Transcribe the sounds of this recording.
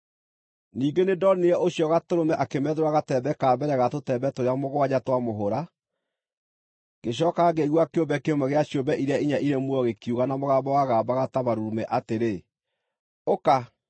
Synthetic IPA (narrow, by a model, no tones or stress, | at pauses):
niːɡenedɔneɛʔoɕjɔɣatoɾomɛʔakemɛːðeɾwaɣatɛbɛkaːbɛɾɛɣatotɛbɛtoɾeamoɣowaɲatwamoɦoɾa | ɡeɕ̬ɔːkaɡeɣwakeobɛkeomaɣeaɕjombɛʔiɾeaiɲaʔiɾemwɔɣekjuɣanamoɣabawaɣaːbaɣataβaɾuumɛʔateɾe | oka